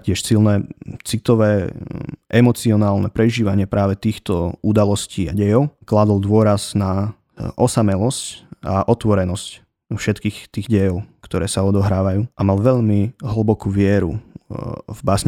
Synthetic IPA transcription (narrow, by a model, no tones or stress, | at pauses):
cɪɛʃsilnɛt͡sit̪ɔʋɛː | ʔɛmɔt͡siɔnaːlnɛpɾɛʒiːʋaɲɪɛpɾaːʋɛt̪iːxt̪ɔud̪alɔsciːa̰ɟɛjɔʊklad̪ɔlˠd̪ʋʊɔɾazna | ʔɔsamɛlɔscaʔɔt̪ʋɔɾɛnɔsc | fʃɛt̪kiːxt̪iːɣɟɛjɔʊkt̪ɔɾɛːsaɔd̪ɔɦɾaːʋajuːʔamalʋɛʎmiɦl̩bɔkuːʋɪɛɾṵ | vbasɲ